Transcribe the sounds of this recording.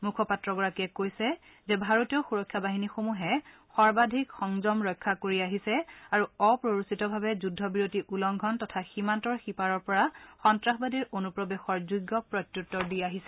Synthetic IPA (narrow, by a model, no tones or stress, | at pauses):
mukʰɔpatɹɔɡɔɹakɛkojsɛ | zɛbʱaɹotijɔxuɹɔkʰːjabaɦinixomuɦɛ | xɔɹbadʱikxɔŋzɔmɹɔjkʰːakoɹiaɦisɛaɹuɔpɹoɹusitɔbʱabɛzudʱːɔbiɹotiʔulɔŋɡʱɔntɔtʰaximantɔɹxipaɹɔɹpɔɹaxɔntɹaxbadiɹonupɹɔbexɔɹzuɡːɔpɹɔtjutːɔɹdijaɦisɛ